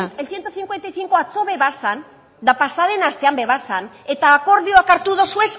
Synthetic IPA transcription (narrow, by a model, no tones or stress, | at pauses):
elθje̞nt̪oθiŋkwe̞nt̪ajθiŋko̞at͡so̞βe̞βasan | d̪apasaðe̞nast̪e̞ambe̞βasan | e̞t̪aːko̞ɾðio̞akaɾt̪uðo̞sue̞s